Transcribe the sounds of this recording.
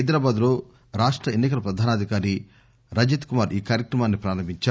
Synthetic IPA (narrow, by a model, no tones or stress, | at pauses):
jd̪ɾaːbaːd̪lo̞ː | ɾaːʂʈɾɐenːikɐlɐpɾɐd̪ʱaːnaːd̪ʱikaːɾi | ɾɐd͡ʒit̪kumaːɾiːkaːɾjɐkɾɐmaːnːipɾaːɾɐmbʱiɲt͡ʃa